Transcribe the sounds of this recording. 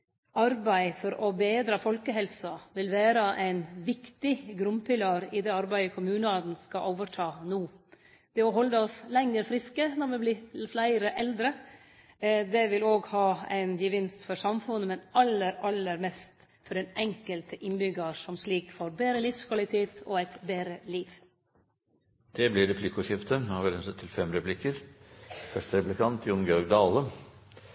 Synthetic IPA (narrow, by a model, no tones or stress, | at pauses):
ʔɑɾbæɪfɔɾɔbeːd̪ɾɑfɔlkəɦɛlsɑʋɪlʋæːɾəʔæɪnʋɪkt̪ɪɡɾʉmpʰɪlɑːɾɪd̪ɛːɑɾbæɪəkʰʊmʉːnəɑd̪n̩skɑʔoːʋəʈʰɑːnuː | d̪̥ɛɔɦɔlːəɔslɛŋːəɾfɾɪskənɔɾʋɪbliːflæɪɾəʔɛld̪ɾə | d̪ɛʋɪloːɡhɑːæ̰ɪnjəʋɪnst̪fɔɾsɑmfʉnːəmɛnɑlːəɾɑlːəɾmɛst̪ | fɔɖɛnʔɛŋkəlt̪ʰəʔɪnbʏɡɑɾsɔmsliːkfɔɾbeːɾəlɪfskʰʋɑlɪt̪ʰeːt̪ɔ̰æɪt̪beːɾəliːʋ | d̪̥ɛblɪɾɛpʰlɪkʊʂɪft̪əhɑʋɪɾɛnsət̪ʰːɪlfɛmɾɛpʰlɪkəɾ | fœʂʈəɾɛplɪkʰɑnt̪ʰjʊnɡjɔɾɡd̪ɑːlə